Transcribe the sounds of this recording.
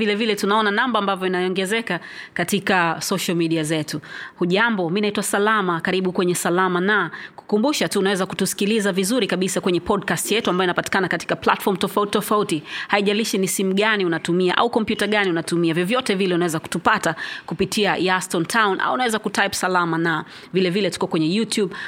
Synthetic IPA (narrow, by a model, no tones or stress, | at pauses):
vilɛvilɛtunaɔnanambaambavjɔinajɔŋɡɛzɛka | katikasɔʃalmiɗiazɛtuhuʄambɔminaitwasalamakaɾiɓukwɛɲɛsalamanaku̥kumbuʃatuːnawɛzaku̥tusi̥kilizavizuɾikaɓisakwɛɲɛpɔdkastjɛtuamajɔinapati̥kanakati̥kapla̰tfɔmtɔfautitɔfautihaiʄaliʃinisimuɠaniunatumiaʔa̰ukɔmpjutaɠaniunatumiavjɔvjɔtɛvilɛunawɛzaku̥tupatakupitʰiajastɔntʰawnʔa̰uunawɛzakutajpsalamana | vilɛvilɛtu̥kɔkwɛɲɛjutjuɓ